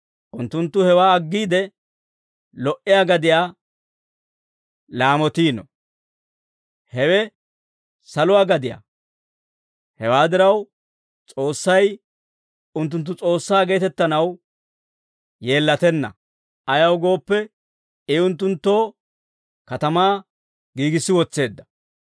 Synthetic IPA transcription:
ʔʊnt̪ːʊnt̪ːʊhɛwaːɐɡːiːd̪ɛ | lɔʔɪjaːɡɐd̪ɪjaː | laːmɔt̪iːnɔ̰ | hɛwɛ | sɐlʊwaːɡɐd̪ɪja̰ | hɛwaːd̪ɪɾɐw | t͡sʼo̞ːsːɐj | ʊnt̪̬ːʊnt̪ːʊt͡sʼo̞ːsːaːɡe̞ːt̪ɛt̪ːɐnɐw | je̞ːlːɐt̪ɛnːɐ̰ | ɐjɐwɡo̞ːpːɛ | ɪʊnt̪ːʊnt̪ːo̞ː | kɐt̪ɐmaː | ɡiːɡɪsːɪwɔt͡sːe̞ːd̪ːɐ̥

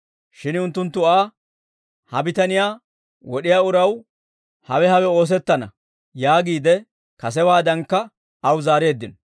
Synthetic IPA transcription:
ʃɪnʊnt̪ːʊnt̪ːʊaː | hɐbɪt̪ɐnɪjaː | wɔɗɪjaːʊɾɐw | hɐwɛhɐwɛo̞ːs̬ɛt̪ːɐnɐ̰ | jaːɡiːd̪ɛ | kɐs̬ɛwaːd̪ɐŋkːɐ | ɐwzaːɾe̞ːd̪ːɪn

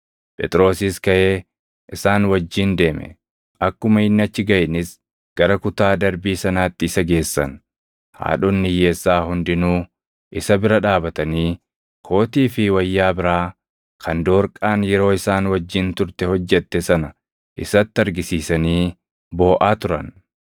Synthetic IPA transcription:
pʼɛ̰t̪ʼɾo̞ːsɪskɐʔeː | ʔɪsaːnwɐd͡ʒːɪnd̪e̞ːmɛ̰ | ʔɐkːʊmɐɪnːɐt͡ʃːɪɡɐʔɪnɪs | ɡ̥ɐɾɐkʊt̪aːd̪ɐɾbiːsɐnaːt̪ːɪːsɐɡe̞ːsːɐ̰n | ha̰ːᶑʊnːɪje̞ːsːaːhʊnd̪ɪnuː | ʔɪsɐbɪɾɐᶑaːbɐt̪ɐniː | kʰo̞ːt̪iːfɪwɐjːaːbɪɾaː | kʰɐnd̪o̞ːɾkʼaːnjɛɾo̞ːɪsaːnwɐd͡ʒːɪnt̪ʊɾt̪ɛhɔd͡ʒːɛt̪ːɛsɐnɐ | ʔɪsɐt̪ːɪɐɾɡɪsiːsɐniː | bo̞ːʔaːt̪ʊɾɐ̰n

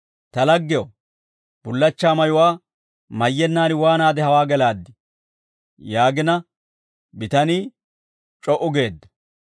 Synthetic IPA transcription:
t̪ɐlɐɡːɪjo | b̥ʊlːɐt͡ʃːaːmɐjʊwaː | mɐjːɛnːaːnɪwaːnaːd̪ɛhɐwaːɡɛlaːd̪ːɪ | jaːɡɪnɐ | bɪt̪ɐniː | t͡ʃʼɔʔʊɡe̞ːd̪ːɐ̥

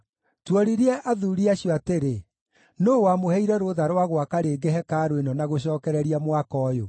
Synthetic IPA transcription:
twɔɾiɾeɛʔaðuːɾiaɕjɔateɾe | noːwamohɛiɾɛɾoðaɾwaɣwakaɾeːɡeɦɛkaːɾwenɔnaɣoɕ̬ɔːkɛɾɛɾiamwakɔːjo

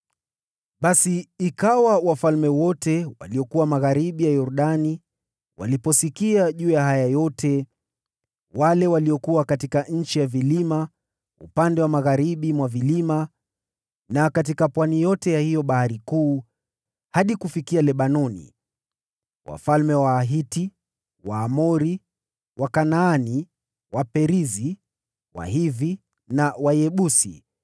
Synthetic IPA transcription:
ɓasiːkawawafalmɛwɔtɛwa̰liɔkuwamaɣaɾiɓijajɔɾɗani | wa̰lipɔsikiaʄuːjaɦajajɔtʰɛ | walɛwaliɔkuwakatikaɲ̩t͡ʃijavilima | ṵpandɛwamaɣaɾiɓimwavilima | nakat̬ikapwanijɔtɛjahijɔɓahaɾikuː | haɗikufikialɛɓanɔnḭ | wa̰falmɛwaːɦiti | waːmɔɾi | wakanaːni | wapɛɾizi | wa̰hivi | nawajɛɓusḭ

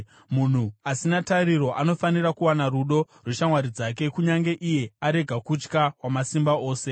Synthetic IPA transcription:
mun̤uasinataɾiro̞ʔano̞fanirakuwanaruɗo̞ | rweʃamwaɾid͡zake̞kuɲaŋɡe̞ʔije̞aɾe̞ɡʱakut͡ʃkawamasimbao̞ːse̞

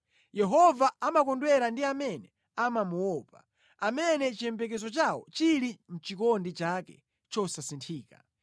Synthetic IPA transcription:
jɛɦɔvaamakɔndwɛɾandiamɛnɛ | amamuwɔpa̰ | amɛnɛt͡ʃiɛmpɛk̬ɛzɔt͡ʃawɔ̰t͡ʃiɾin̩t͡ʃikɔndit͡ʃakɛ̰ | t͡ʃɔsasintʰiːka̰

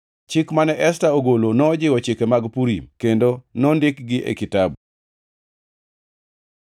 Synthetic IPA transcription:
t͡ʃɪkmanɛʔɛstaoɡolonɔd͡ʒɪwɔt͡ʃɪkemaɡpuɾimkendonɔndɪkɡɪʔḛkitab

